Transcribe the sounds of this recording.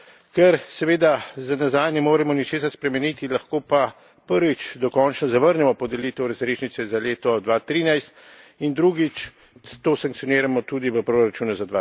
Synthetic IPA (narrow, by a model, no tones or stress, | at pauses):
kɛɾsɛʋeːd̪azanazaːjnɛmoːɾɛmɔnit͡ʃeːsaɾspɾɛmɛniːt̪ilaxkoːpa | pəɾʋit͡ʃd̪ɔkɔnt͡ʃnɔzaʋəɾnɛmɔpɔd̪ɛliːt̪əwɾazɾeːʃnit̪sɛzaleːt̪ɔd̪ʋat̪ɾiːnajst̪ | ind̪ɾuːɡit͡ʃ | t̪oːsaŋk̪̚sijɔneːɾamɔt̪ud̪iʋəpɾoɾat͡ʃuːnuzad̪ʋa